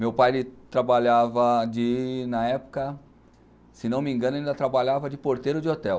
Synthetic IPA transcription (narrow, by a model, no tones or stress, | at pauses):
mewpajlɪt̪ɾabaʎavɐd͡ʒɪnɐɛpʊ̥kɐ | senɐ̃w̃mĩŋɡɐ̃nʊaĩnd̪ɐt̪ɾabaʎavɐd͡ʒɪpoɾt̪eɾʊd͡ʒɪot̪ɛw